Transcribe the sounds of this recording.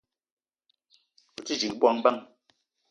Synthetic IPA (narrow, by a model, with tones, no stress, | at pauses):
u˨t͡si˦d͡ʒi˨k̚bwa˦ŋba˦ŋ